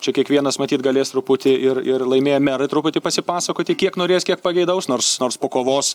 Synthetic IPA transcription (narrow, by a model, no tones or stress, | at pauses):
t͡ʃʲɛkʲiɛkʋʲiɛnɐsmɐt̪ʲiːt̪ɡɐlʲeːst̪ɾʊpʊt̪ʲɪɪrɪrlˠɐɪmʲeːjɛmʲɛɾɐɪt̪ɾʊpʊt̪ʲɪpɐsʲɪpɑːsɐkoːt̪ʲɪkʲiɛknoːɾʲeːskʲiɛk̚pɐɡʲɛɪd̪ɐʊsnoːrsnoːrspoːkoːʋoːs